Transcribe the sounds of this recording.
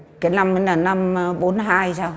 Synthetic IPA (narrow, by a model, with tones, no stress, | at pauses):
kaː˨˦jna˧mə˨˦laː˨˩na˧mɓo˨˦nɦaː˧jsaː˧w